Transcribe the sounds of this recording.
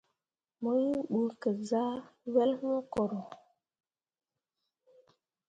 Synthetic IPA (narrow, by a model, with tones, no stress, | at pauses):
mo˦ji˦ɓu˨kə˨za˦wɛ˦lmo˦ko˨ɾo˨